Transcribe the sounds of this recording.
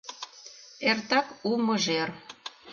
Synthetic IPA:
ert̪ɑkumɤʒer

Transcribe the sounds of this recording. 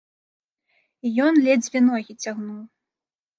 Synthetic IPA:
ijɔnlʲɛd͡zʲvʲɛnɔɣʲit͡sʲaɣnuw

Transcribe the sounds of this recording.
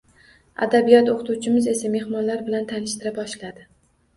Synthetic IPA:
a̰d̪abijɒt̪oqʰɨt̪uwt͡ʃʰɪmɪze̞same̞hmɒnlaɾbɪlant̪ʰanɪʃt̪ɪɾapɒʃlad̪ɪ

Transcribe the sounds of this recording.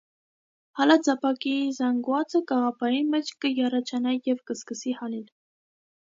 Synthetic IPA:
hɑlɑd͡zɑpʰɑkizɑŋɡwɑt͡səkɑʁɑpʰɑɾimɛt͡ʃʰkəjɑrɑt͡ʃʰɑnɑjɛvkəskəsihɑlil

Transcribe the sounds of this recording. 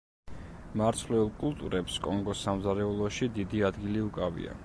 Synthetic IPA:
maɾt̪sʰlɛulˠkʼulˠt̪ʼṵɾʔɛpskʼɔŋɡɔsːamzaɾɛulˠɔʃid̪id̪iad̪ɡiliukʼavḭa̰

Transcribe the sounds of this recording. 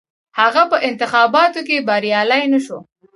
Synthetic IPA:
haɣapəʔɪnt̪ɪxɑbɑt̪ok̬ebaɾjɑlajnaʃo

